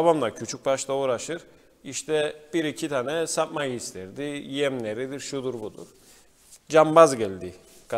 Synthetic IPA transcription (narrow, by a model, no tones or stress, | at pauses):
aβamlˠacʰyt͡ʃʰyc̚baʃt̪ˠauːɾaʃɯɾ | iʃt̪ʰɛb̥iɾicʰit̪ʰaːnɛsap̪majist̪ʰɛɾd̪ijɛmlʲeɾid̪iɾʃud̪uɾbud̪ṵɾ̥ | d͡ʒambazɟælʲd̪iɡ